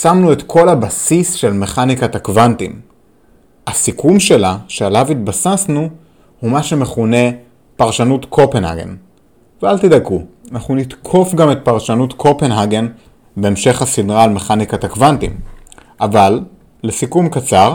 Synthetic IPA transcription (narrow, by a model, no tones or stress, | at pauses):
samnue̞t̪kʰo̞labasisʃe̞lme̞χanikat̪akvantim | hasikumʃe̞laʃealavit̪basasnu | humaʃe̞me̞χune̞ | paʁʃanut̪kʰo̞penha̰ɡe̞̰n | vealt̪id̪aku | anaχnunitkʰo̞fɡame̞t̪̚paʁʃanutkʰo̞pe̞nɦaɡe̞n | be̞emʃe̞χhasidʁaːlme̞χanikat̪akvantim | ʔavalː | esikumkat͡saʁ